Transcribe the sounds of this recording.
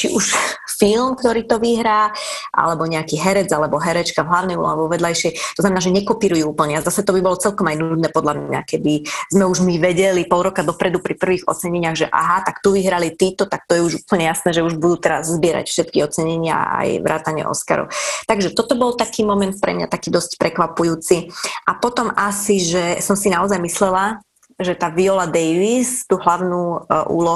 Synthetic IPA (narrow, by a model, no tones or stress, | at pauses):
t͡ʃiʔuʃfilmkt̪ɔɾiːt̪ɔʋiɦɾaːʔa̰lɛbɔɲɛakiːɦɛɾɛd͡zalɛbɔɦɛɾɛt͡ʃkavɦlaʊnɛjbɔ̰aʋɔʋɛd̪lajʃɪɛjt̪ɔznamɛnːʒɛɲɛkɔpiːɾujuːuːpl̩ɲɛazasɛt̪ɔbibɔlɔt͡sɛlkɔmajnud̪nɛːpɔd̪lamɲa̰kɛd̪izmɛuʒmiʋɛɟɛlipɔlˠɾɔkad̪ɔpɾɛd̪upɾipr̩ʋiːɣɔ̰t͡sɛɲɛɲɪaɣʒɛʔa̰ɦat̪akt̪uʋiɦɾalit̪iːt̪ɔt̪ak̚t̪ɔjɛuʒuːpl̩ɲɛjasnɛːʒɛuʒbud̪uːt̪ɛɾa̰zzbɪɛɾa̰cfʃɛt̪kiɔt͡sɛɲɛɲɪa̰a̰jʋɾa̰ːt̪aɲɪɛ̰ʔɔ̰ska̰ɾɔ̰ʊt̪aɡʒɛt̪ɔt̪ɔbɔlt̪akiːmɔmɛnt̪̚pɾɛ̰mɲa̰t̪akiːd̪ɔscpɾɛkʋapujuːt͡siʔapɔt̪ɔmasiʒɛsɔmsinaɔzajmislɛla | ʒɛt̪aːʋiɔlad̪ɛjʋist̪uːɦlaʊnuːʔṵːlɔ